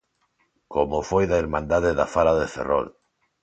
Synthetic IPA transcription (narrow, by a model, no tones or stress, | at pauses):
komofojðaeɾmãnd̪aðeðafalaðefḛro̰l